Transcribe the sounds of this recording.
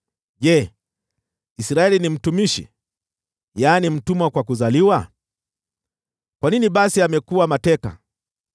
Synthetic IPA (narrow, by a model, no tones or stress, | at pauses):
ʄɛ | isɾaɛlinim̩tumiʃḭ | janim̩tumwakwakuzaliwa | kwaniniɓasiamɛkuwamatɛka̰